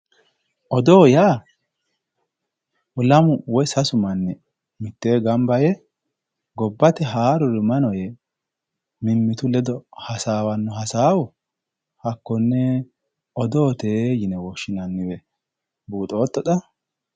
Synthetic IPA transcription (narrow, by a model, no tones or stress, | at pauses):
ʔɔd̪oːjaː | lɐmʊwɔjsɐsʊmɐnːɛ | mɪt̪ːeːɡɐmbɐjɛ | ɡɔbːɐt̪ɛɦaːɾɔɾɪmɐnɔjɛ | mɪmːɪt̪ʊlɛd̪ɔhɐsaːwɐnːɔɦɐsaːwɔ | hɐkːɔnːɛ | ɔd̪oːt̪eːjɪnɛwɔʃːɪnɐnːɪwɛ | buːt̪ʼo̞ːt̪ːɔd̪ɐ